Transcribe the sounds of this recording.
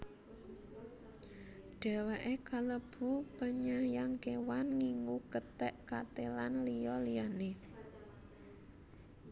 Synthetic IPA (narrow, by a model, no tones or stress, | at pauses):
ɖ̥a̤waʔekaləb̥ṳpəɲajaŋkewanŋiŋukət̪ɛʔkat̪elanlijɔlijane